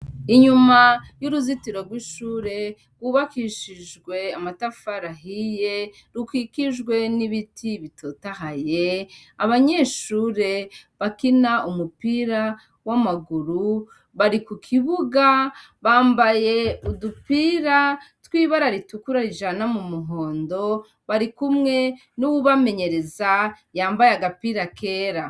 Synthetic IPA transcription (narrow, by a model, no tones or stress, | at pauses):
iɲumajuɾuzitiɾo̞ɾɡwiʃuːɾe̞ | ɡwuːβakiʃiʒɡwe̞amatafaɾaɦijeɾukwikiʒɡwe̞niβitʰiβitʰotaɦajeaβaɲeːʃuːɾe̞βakinaumupiɾa | wamaɡuɾu | βaɾikukʰiβuɡa | βaːmbaje̞udupiːɾatwiːβaɾaɾitukuɾaɾiʒanamumuɦo̞ːndo̞ | βaɾikumŋe̞ | nuwuβame̞ɲe̞ɾe̞za | jaːmbajaɡapiɾakʰe̞ːɾa